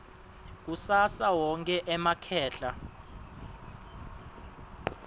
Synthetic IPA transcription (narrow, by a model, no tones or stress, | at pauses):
k̬usasawɔŋkʼɛʔɛmakʰɛːɬa